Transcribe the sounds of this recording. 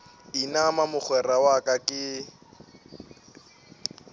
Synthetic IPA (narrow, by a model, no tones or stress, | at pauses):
inamamʊk͡xwɛrawakʼakʼɪ